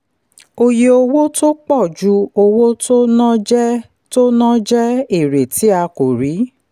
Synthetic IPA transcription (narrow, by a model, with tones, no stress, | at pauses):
o˧je˧o˧wo˦to˦k͡pɔ˦˨d͡ʒu˦o˧wo˦to˦nã˦d͡ʒɛ˦ | to˦nã˦d͡ʒɛ˦e˦˨ɾe˨ti˨˦a˧ko˨ɾi˨˦